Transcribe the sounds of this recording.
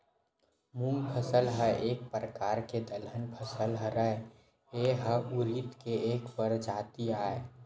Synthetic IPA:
mumpʰəsəlɦəeːk̚pɾəkaːɾked̪əlɦənpʰəsəlɦəɾəe | eɦəuɾit̪keeːkpəɾd͡ʒaːt̪iaːe

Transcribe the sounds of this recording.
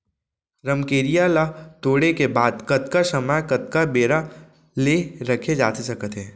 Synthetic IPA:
ɾɐmkeːɾijalat̪oːɽekebaːd̪kɐt̪kasɐmajkɐt̪̚kabeːɾa | leɾɐkʰed͡ʒa̰ːt̪esɐkət̪ɦɛ̃ː

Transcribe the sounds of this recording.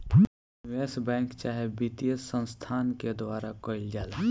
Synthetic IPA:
weːsbɛ̃ːŋkt͡ʃaːɦebit̪ijəsːə̃nst̪ʰaːnked̪waːɾakoɪld͡ʒaːla

